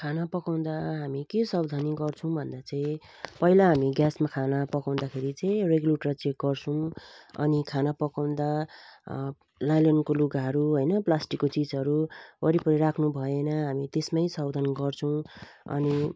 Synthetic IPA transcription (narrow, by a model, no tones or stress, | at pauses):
kʰanapʌkaw̃d̪aɦamikesʌbd̪ʱaniɡʌrt͡sʰʌ̃w̃bʱʌnd̪at͡sʌĩ | pʌɦilaɦamiɡjasmakʰanapʌkaw̃d̪akʰeɾit͡sʌ̃ĩreɡuleʈrʌt͡sek̚ɡʌrt͡sʰʌw̃ʌ̰nikʰanapʌkaw̃d̪a | lajlʌnkoluɡaɦʌɾuɦojnʌplasʈikːot͡sid͡zʌɾuʌɾipʌɾiɾakʰnubʱʌjenʌɦamit̪esmajsʌbd̪ʱʌnɡʌrt͡sʰʌw̃ʌ̰ni